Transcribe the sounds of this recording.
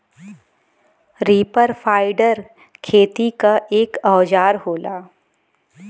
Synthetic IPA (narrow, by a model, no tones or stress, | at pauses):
ɾiːpəɾfʰaːɪɖəɾ | kʰeːt̪ikaʔeːkɔːd͡ʒaːɾɦoːlaː